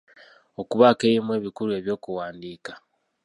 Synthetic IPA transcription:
o̞kuβaːkejimwe̞ːβikuɾue̞βjo̞ːkuwaːndiːkḁ

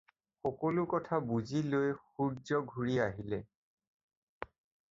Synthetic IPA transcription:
xɔkɔlʊkɔtʰabuzilojxuzɔɡʱuɹiaɦilɛ

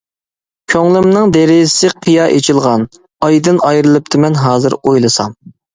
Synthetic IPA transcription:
kʲʰøŋlˠɪmnɨŋd̪eɾɪsɪqʰəjɑːʔet͡ʃʰilˠʁɑn | ɑjd̪ɨnɑjɾɨlˠɨp̚t̪ʰɪmɛnɦɑːzɨɾojlˠɨsɑm

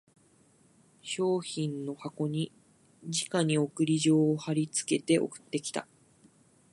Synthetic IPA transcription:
ɕo̞ːçĩnːo̞hako̞ɲ̟i | d͡ʑikaɲ̟io̞kɯ̟ɾʲiʑo̞ːhaɾʲit͡sɨ̥ke̞t̪e̞ʔo̞̰kɯ̟̥t̪ːe̞kʲi̥t̪a̰

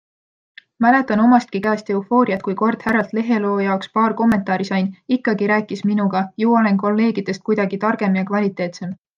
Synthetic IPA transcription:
mæle̞t̪ːˑɑno̞mɑst̪̚kikæːst̪e̞ufo̞ːɾiɑt̪kujko̞rd̪̥hærːɑlt̪le̞ɦe̞lo̞ːjɑokspɑːrko̞mːe̞nt̪ˑɑːɾisɑjnikˑːɑɡiɾæːkːˑisminuɡ̥ɑjuːole̞nko̞lːe̞ːɡid̪̥e̞st̪̚kujd̪ɑɡit̪ɑrɡ̥e̞mjɑkvɑlʲit̪ːˑe̞ːt̪se̞m

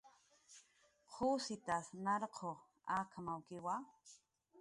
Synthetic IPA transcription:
qʰusit̪asnaɾqʰo | akʰamawkɪwa

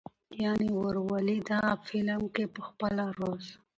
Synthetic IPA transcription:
jɑniwəɾwalid̪aːfɪləmkepəxpəlaɾoz

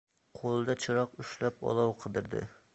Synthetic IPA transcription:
qʰolˠɨd̪ɛt͡ʃʰɨɾɑqyʃlæpɑ̰lˠɑwqʰəd̪ɨɾd̪ɪ̰

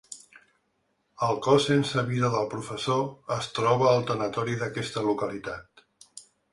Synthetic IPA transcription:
əlˠkɔsːensəβiðəðəlˠpɾufəsoəst̪ɾɔβəːlˠt̪ənət̪ɔɾiðəkɛst̪əlukəlit̪at̪

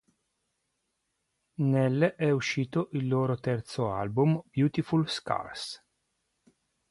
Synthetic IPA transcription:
nɛlːʔɛuʃːiːt̪oʔilːoːɾot̪ɛrt̪soa̰lbumb̥juːt̪ifulska̰rs

